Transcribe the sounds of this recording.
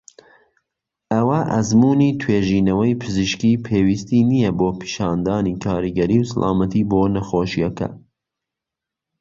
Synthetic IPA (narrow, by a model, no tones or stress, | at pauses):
ʔɐwɐʔɐzmuːniːt̪ʰweːʒiːnɐwɐjpʰɨziʃkiːpʰeːwist̪iːnijɛboːpʰi̥ʃɑːnd̪ɑːniːkʰɑːɾiɡɐɾiwsa̰lʔɑ̰ːmɐt̪ʰiːboːnɐxoːʃijɐkɐ̰